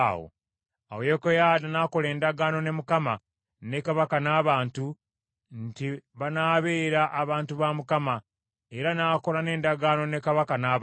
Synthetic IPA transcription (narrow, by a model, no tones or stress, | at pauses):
wo̰ | a̰wejekojaːdanaːko̞le̞ːndaɡaːno̞ne̞mukama | ne̞kaβakanaːβaːntu | ntiβanaːβe̞ːɾaʔaβaːntuβamukama | eɾanaːkolane̞ːndaɡaːno̞ne̞kaβakanaː